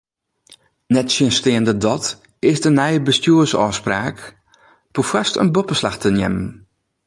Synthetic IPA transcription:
nɛtsəənstɪːəndədɔt | ɪsdənɛjəbəstjuəsɔːspraːk | pufastə̰nbɔpəslaxtʰənjɛ̰mən

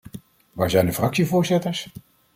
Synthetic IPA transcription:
ʋaːɹzɛjndəfrɑksivʊːɹzɪtəɹs

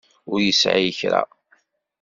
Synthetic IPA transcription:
ʊɾjəsʕiçɾa̰

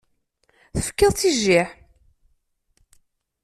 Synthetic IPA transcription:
θə̥fkːəðˤt͡sːiʒːiħ

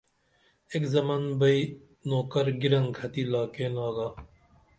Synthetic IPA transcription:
eːkzɐmaːnbɐi | noːkɐɾɡiɾɐŋkʰɐt̪iːlaːkeːnaːɡaː

